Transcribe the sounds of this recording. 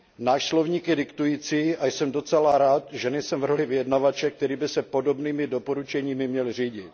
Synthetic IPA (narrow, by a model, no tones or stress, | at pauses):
naːʃslo̞vɲiːkjɛdɪkt̪ujiːt͡siːajsɛmdo̞t͡sɛlaɾaːt̪ʒɛnɛjsɛmvrolɪvɪjɛdnavat͡ʃɛk̚t̪ɛɾiːbɪsɛpo̞do̞bniːmɪdo̞po̞ɾut͡ʃɛɲiːmɪmɲɛlr̝iːɟɪt̪